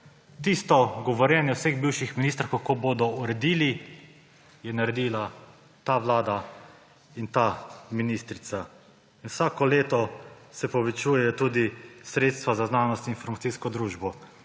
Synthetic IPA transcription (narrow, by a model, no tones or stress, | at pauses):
t̪ist̪ɔɡɔʋɔɾjɛːnjɛwseɣbiːwʃixminiːst̪ɾakakoboːd̪ɔuɾɛd̪iːli | jɛnaɾɛd̪iːla | t̪aʋlaːd̪a | int̪aminiːst̪ɾit̪sa | inwsaːkɔleːt̪ɔsɛpɔʋɛt͡ʃuːjɛjɔt̪uːd̪isɾeːt̪st̪ʋazaznaːnɔst̪iinfɔɾmat̪siːskɔd̪ɾuːʒbɔ